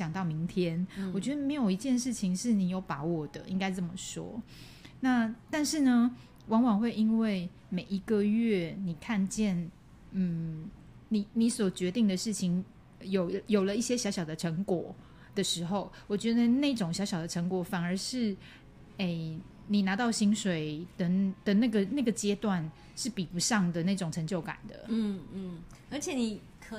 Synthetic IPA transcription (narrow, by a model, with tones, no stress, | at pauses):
ɕjɑ˨˩ŋt̪ɑ˥˩ʊmi˧˥ŋt̪ʰjɛ˦˥nwɔ˨˩t͡ɕɥɛ˧˥ə˧me˧˥ɪjo˨˩ʊi˧˥t͡ɕjɛ˥˧nʂɻ̩˥˩t͡ɕʰi˧˥ŋʂɻ̩˥˩ni˨˩jo˧˥ʊpa˧˥˦wɔ˨˩d̪ə˦ʔi˥ŋka˥ɪt͡sə˥˩mə˨˩ʂɔ̰˥ | na˥˧t̪a˥˧nʂɻ̩˥˩nə˩ | wɑ˧˥ŋwɑ˨˩ŋxwe˥˩ɪi˦˥nwe˥˩ɪ | me˨˩ɪi˧˥ɡə˧ɥɛ˥˩ni˨˩kʰa˥˧nt͡ɕjɛ˥˩n | n̩˥˩ | ni˨˩ni˧˥swɔ˨˩t͡ɕɥɛ˧˦˥t̪i˥˩ŋd̪ə˨˩ʂɻ̩˥˩t͡ɕʰi˧˥ŋ | jo˨˩ʊjo˨˩ʊlə˦i˥˩ɕjɛ˥ɕjɑ˧˥ʊɕjɑ˨ʊd̪ə˦ʈ͡ʂʰə˧˥ŋkwɔ˨˩ | d̪̥ə˦ʂɻ̩˧˥xo˥˩ʊwɔ˨˩t͡ɕɥɛ˧˥d̪ə˧ne˥˩ɪʈ͡ʂʊ˨˩ŋɕjɑ˧˥ʊɕjɑ˨ʊd̪ə˦ʈ͡ʂʰə˧˥˦ŋkwɔ˨˧˩fa˨˩nə˞˧˥ʂɻ̩˥˩ | e˥˩ɪ | ni˨˩na˧˥t̪ɑ˥˩ʊɕi˥ŋʂwe˨˩ɪd̪ə˨d̪̥ə˨na˥˩ɡə˨na˥˩ɡə˩t͡ɕjɛ˥t̪wa˥˨n | ʂɻ̩˥˩pi˨˩pu˧˦ʂɑ˥˩ŋd̪ə˨na˥˩ɪʈ͡ʂʊ˨˩ŋʈ͡ʂʰə˧˥ŋt͡ɕjo˥˩ʊka̰˨˩nd̪ə̰˦n̩˥˩˥ | ə˞˧˥t͡ɕʰjɛ˨˩ni˨˩ | kʰ